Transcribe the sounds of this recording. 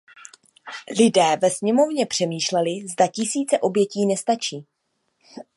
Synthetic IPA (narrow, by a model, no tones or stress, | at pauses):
lɪdɛːvɛsɲɛmo̞vɲɛpr̝̥ɛmiːʃlɛlɪzdacɪsiːt͡sɛʔo̞bjɛciːnɛst̪at͡ʃiː